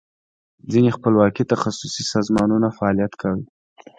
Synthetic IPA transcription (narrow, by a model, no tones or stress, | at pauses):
d͡zinexpəlwɑkit̪axasusisɑzmɑnunafaːlijat̪kʰawi